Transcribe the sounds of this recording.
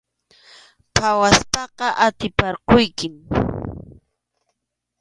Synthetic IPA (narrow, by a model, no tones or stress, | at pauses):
pʰawaspɑqɑʔat̪ɪpɑɾqʊjkɪm